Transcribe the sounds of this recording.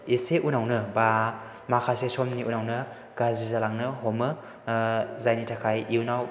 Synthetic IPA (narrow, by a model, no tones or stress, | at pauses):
eseunawnɯba | makʰasesomniʔunawnɯ | ɡ̥azizalaŋnɯɦɔmɯ | zajnitʰakʰajiwnaw